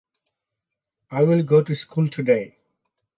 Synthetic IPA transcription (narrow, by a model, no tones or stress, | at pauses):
aɪwɪlɡoːʈuskʰuːlʈʰuɖeɪ